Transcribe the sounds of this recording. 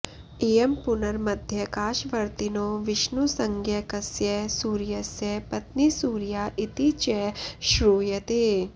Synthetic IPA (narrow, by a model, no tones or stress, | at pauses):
eːempʊnɐɾmɐd̪ʱjɐkaːʃʋɐɾt̪inoːʋɪʃnusɐŋɡʱjɐkɐsjɐsuːɾjɐsjɐpɐt̪nisuːɾjaːʔɪt̪it͡ʃɛʃɾuːjɐt̪eː